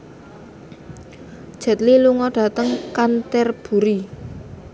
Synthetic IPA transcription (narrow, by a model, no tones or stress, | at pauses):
ʒ̥ɛ̤t̪liluŋɔɖ̥ä̤t̪əŋkant̪ɛrb̥ṳɾi